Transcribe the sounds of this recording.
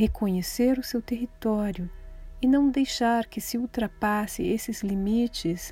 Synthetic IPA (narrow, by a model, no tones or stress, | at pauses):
ekõɲeseɾʊsewt̪eɦit̪ɔɾjʊɪnɐ̃w̃d̪ejʃaɾkɪsɪuwt̪ɾapasɪ̰esɪzlimit͡ʃɪs